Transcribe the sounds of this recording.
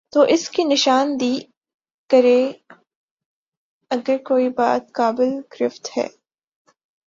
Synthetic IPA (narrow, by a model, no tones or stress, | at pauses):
t̪oːʔɪskinɪʃaːnd̪iː | kɐɾe | ɐɡəɾkoːibaːt̪̚kaːbɪlɡɾɪft̪hɛ̰ː